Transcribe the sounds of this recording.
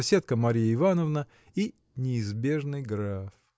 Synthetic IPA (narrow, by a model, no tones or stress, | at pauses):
sʲet̪̚kəmɐɾʲijɪɪvanəvnə | i | nʲɪːzbʲe̞ʐnɨjɡɾaf